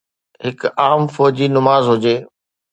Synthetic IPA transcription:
ɦɪkaːmfɔːd͡ʑiːnʊmaːzɦʊd͡ʑeː

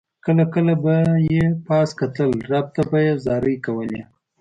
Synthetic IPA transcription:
kəlakəlabajepɑskat̪əlɾab̚t̪abajezɑɾəjkawəlḛ

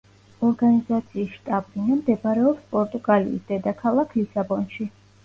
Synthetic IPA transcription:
ɔɾɡanizat̪sʰiːsʃt̪ʼablinamd̪ɛbaɾɛɔpspʼɔɾt̪ʼuɡʼalḭḭsd̪ɛd̪akʰalˠakʰlisabɔnʃi

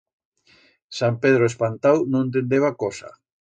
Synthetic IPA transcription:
sampeðɾoespant̪awnõŋẽnt̪̬end̪eβakosa̰

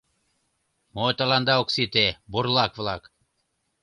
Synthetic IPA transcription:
mot̪alˠand̪ɑuksit̪ebuɾlˠɑkvlˠɑk

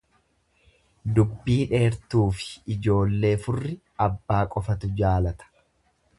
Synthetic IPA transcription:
d̪ʊbːiːᶑe̞ːɾt̪uːfɪ̥ɪd͡ʒo̞ːlːe̞ːfʊrːɪ | ɐbːaːkʼɔfɐt̪ʊd͡ʒaːlɐt̪ɐ̥

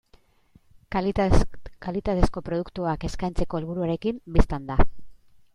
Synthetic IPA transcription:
kalit̪at̪e̞sko̞pɾo̞ð̞ukt̪uake̞skajnt͡se̞ko̞elβuɾuaɾe̞kimbist̪and̪a

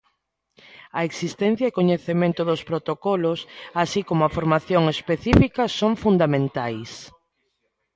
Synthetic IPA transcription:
ɐeksist̪ɛn̟θjɐekoɲeθemẽnt̪ʊðospɾot̪okɔlosasikomoafoɾmaθjoŋespeθifikɐsoŋfund̪amẽnt̪ajs

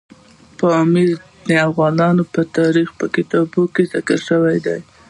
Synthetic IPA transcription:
pəmiz | neafɣɑnɑnopət̪ɑɾixpəkɪt̪ɑbokezɪkəɾʃəwajd̪aj

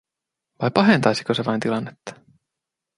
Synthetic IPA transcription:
ʋɑjpɑɦe̞nt̪ɑjsi̥koseʋɑint̪ilɑnːet̪ːɑ̥

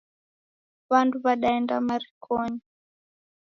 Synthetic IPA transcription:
βantuβaɗaɛnda̰maɾikʰɔɲi

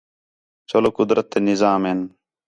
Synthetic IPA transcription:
t͡ʃoloːkʊd̪ɾʔət̪ːeːnɪzaːmeːn

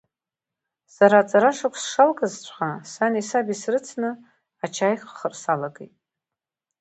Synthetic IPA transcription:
saɾat͡sʼaɾaʂakʷʰsʂalkʼazt͡ɕʷʰχasanisabisrɨt͡sʰnɨ | at͡ʃʰajχχərsalaɡejtʼ

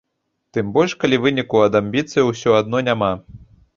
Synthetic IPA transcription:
t̪ɨmbɔlʲʂkalʲivɨnʲikuɐd̪amʲbʲit̪sɨjwsʲɔad̪̚nɔnʲama

